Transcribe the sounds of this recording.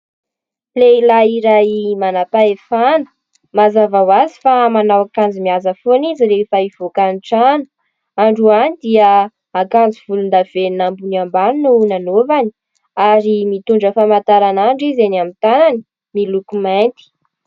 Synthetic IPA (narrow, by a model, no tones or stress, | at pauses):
pleilaiɾajimanapaefanu̥ | mazavawazi̥famanawakand͡zimiazəfoniziɾefaiv̥okaniʈ͡ʂanu̥ | aɳɖ͡ʐuanid̪iə | akand͡ziv̥ulund̪av̥eninambunambaninunanovani | aɾimit̪uɳɖ͡ʐəfamant̪aɾanaɳɖ͡ʐizenamit̪anani̥ | milukument̪i̥